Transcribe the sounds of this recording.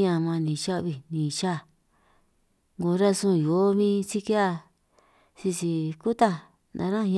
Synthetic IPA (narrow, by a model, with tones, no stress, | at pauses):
ɲã˧˨mã˧nĩ˨t͡ʃa˦ʔβi˧nĩ˨t͡ʃa˦˨ | ŋɡo˧˦ɾa˦sũ˦˨jo˨˦mĩ˦si˦ki˦a˦˧ | si˧si˧ku˦t̪a˦˧ | nã̰˧ɾã˦˧